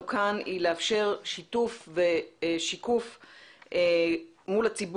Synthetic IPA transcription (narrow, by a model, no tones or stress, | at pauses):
kʰanileafʃe̞ʁʃitufveʃikufe | mulat͡sib